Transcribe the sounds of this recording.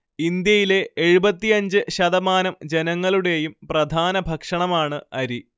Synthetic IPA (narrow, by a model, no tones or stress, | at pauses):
ind̪jɐjile̞eɻubɐt̪ːijɐɲd͡ʑɨɕɐðɐmaːnɐmd͡ʑe̞nɐŋːɐɭuɽe̞jumprɐd̪ʱaːnɐbʱɐkʂɐɳɐmaːɳɨɐɾi